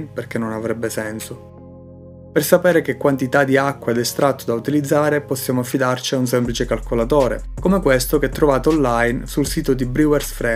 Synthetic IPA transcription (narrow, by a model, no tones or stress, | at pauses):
nperkenːonavɾɛbːesɛnso | persapɛːɾekekːwant̪it̪ad̪iakːwaed̪est̪ɾʔat̪ːod̪aut̪ilid̪zːaːɾeposːjaːmoafːid̪art͡ʃiauns̬ɛmplit͡ʃekalkolat̪oːɾḛkomekwest̪okɛt̪ːɾovaːt̪oːlːajnsulsiːt̪od̪ibɾiwɛrsfɾɛ